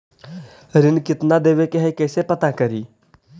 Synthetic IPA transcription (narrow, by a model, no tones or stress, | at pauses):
ɾɪnkɪt̪nad̪eːʋekeɦɛjkɛːsepɐt̪akəɾiː